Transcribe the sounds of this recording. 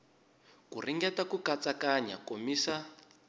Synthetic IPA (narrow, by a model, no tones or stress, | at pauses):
kuriŋɡɛtakukat͡sakaɲa̰komiːsa